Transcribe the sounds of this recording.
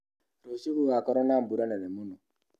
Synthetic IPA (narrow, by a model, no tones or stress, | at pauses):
ɾosiɣuakɔɾɔnam̩buɾanɛnɛmunɔ